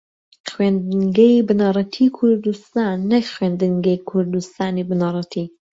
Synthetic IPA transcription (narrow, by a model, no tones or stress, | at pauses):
xwend̪ɨŋɡejbɨnɑrˤɑt̪ʰiːkʰʊɾd̪ust̪aːnːɐkxwend̪ɨŋɡɐjkʰʊɾd̪ust̪aːnibɨnɑɾˤɑt̪ʰiː